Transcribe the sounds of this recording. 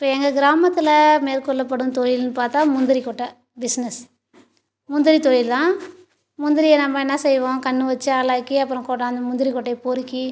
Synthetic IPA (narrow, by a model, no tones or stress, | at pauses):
ɪpːɐɛŋɡɐɡɪɾaːmɐt̪ːɪlɐmeːɾkɔɭːɐp̬ːɐɽɯ̃t̪ɔjɪlnɯpaːɾt̪ãːmʊnd̪ɪɾikɔʈːɐ | bɪsnɛs | mʊnd̪ɪɾit̪ɔjɪlt̪ãː | mʊnd̪ɪɾɪjɐnɐmːɐɛnːɐsɛjːʋõːkɐɳːɯʋɐt͡ʃːɯaːlaːkːiɐpːɯɾɔ̃koːʈːaːɐnd̪ɐmʊnd̪ɪɾikɔʈːɐɪpoɾɯkːi